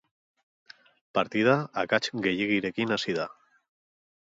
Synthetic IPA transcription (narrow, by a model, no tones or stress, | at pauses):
paɾt̪ið̞aːkat͡ʃɡe̞jiɣiɾe̞kinasiða